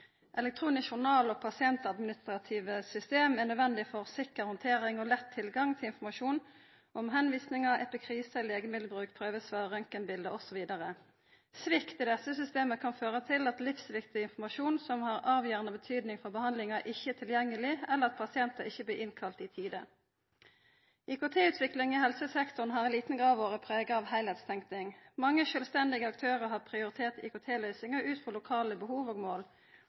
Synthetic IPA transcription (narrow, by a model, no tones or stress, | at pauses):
ʔɛlɛk̚t̪ʰʁuːnɪsfʊnɑːlɔpʰɑsɪɛnt̪ɑd̪mɪnɪst̪ɾɑt̪ʰiːʋəsʏst̪eːmɛʁnøːd̪ʋɛnd̪ɪfɔʁsɪkəɾhɔnt̪ʰeːɾɪŋɔlɛt̪ʰːɪlɡɑŋt̪ʰɪlɪnfɔmɑʃuːn | ʔɔmɦɛnʋiːsnɪŋɑʔɛ̰pɪkʰʁiːsəleːɡəmɪd̪l̩əbʁʉːkpʰʁøːʋəsføʁœŋkənbɪld̪əɔsɔʋiːd̪ɑʁə | sʋɪkt̪ɪd̪ɛsːəsʏst̪eːməkʰɑnføːʁət̪ʰɪlɑt̪lɪfsʋɪkt̪ɪnfɔmɑʃuːnsɔmhɑʁɑːʋjøːʁənəbət̪ʰyːd̪nɪŋfɔʁbəhɑnd̪lɪŋɑʔɪçːət̪ʰɪljɛŋːəlɪɛləʁɑt̪̚pʰɑsɪɛnt̪əʁɪçːəbliːʔɪnkʰɑlt̪ɪːt̪ʰiːd̪ə | iːkʊt̪ʰeːʉːt̪ʰʋɪklɪŋihɛlsəsɛkt̪ʊnɦɑːɛnliːt̪n̩ɡʁɑːʋoːʁəpʰʁeːɡəɑːʋhæɪlhɛːt̪st̪ʰɛŋkt̪ɪŋmɑŋːəʃœːlst̪ɛnd̪ɪɡəɑk̚t̪ʰøːʁəʁɦɑːpʰʁɪʊʁɪt̪ʰeːʁt̪ḭːkʊt̪ʰeːlœʏsɪŋəʔʉːt̪fʁɔlʊkʰɑːləbəhuːʋoːɡmoːl